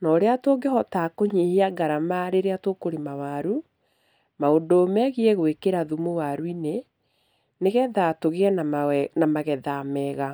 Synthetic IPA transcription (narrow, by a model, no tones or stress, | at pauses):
nɔɾeatoɡehɔtakoɲeheaɡaɾamaɾeɾeatokoɾemawaɾu | maondoːmɛɣiɛɣwekeɾaðumowaɾwine | neɣɛðatoɣeɛnanamaɣɛðamɛɣa